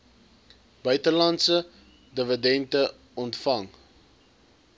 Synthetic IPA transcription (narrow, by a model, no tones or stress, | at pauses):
b̥œɥtəlɐntsə | dəvədɛntə | ɔntfɐŋ